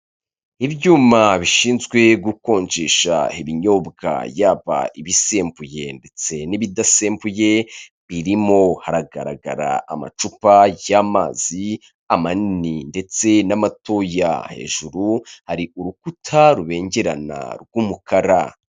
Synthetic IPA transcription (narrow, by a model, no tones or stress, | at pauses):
ibjuːmaβiʃiːnzɡwe̞ɡuko̞ːɲt͡ʃeʃa̰iβiɲo̞bɡa̰jaːβa̰iβise̞ːmpuje̞nde̞t͡se̞niβidaseːmpuje̞ | βiɾimo̞haɾaɡa̰ɾa̰ɡa̰ɾa̰ama̰t͡ʃupajaːmaːz̥i | amanininde̞t͡se̞namato̞ja̰he̞̰ːʒuɾuhaɾiuɾukutʰaɾuβe̞ːɲɟe̞ɾa̰na̰ɾɡumukʰaɾa